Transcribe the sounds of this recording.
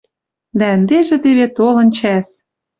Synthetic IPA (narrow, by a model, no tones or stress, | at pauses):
d̪æɘ̆nd̪eʒĕt̪eβet̪olɤ̆nt͡ɕæs